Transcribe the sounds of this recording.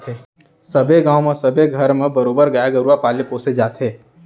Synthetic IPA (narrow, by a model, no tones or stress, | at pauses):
t̪e | sɐbʱeɡãːõmesɐbʱeɡʱɐɾmẽbɐɾoːbəɾɡajaɡɐɾuapaːlepoːsed͡ʒaːt̪eː